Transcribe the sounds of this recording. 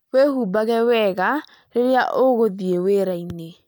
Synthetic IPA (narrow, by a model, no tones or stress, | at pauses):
wehuːbaɣɛwɛɣa | ɾeɾeaʔoɣoðieweːɾaine